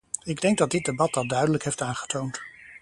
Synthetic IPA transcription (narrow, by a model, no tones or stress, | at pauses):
ɪɡdɛŋɡ̚dɑd̚dɪt̚debɑtdɑdœɥdələkɦejftaːnχə̥townt